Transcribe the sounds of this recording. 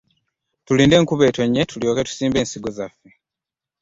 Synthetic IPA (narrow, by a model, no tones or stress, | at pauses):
tuliːnde̞ːŋkuβe̞ːto̞ɲːetuljo̞ːketu̥siːmbe̞ːnsiɡozafːe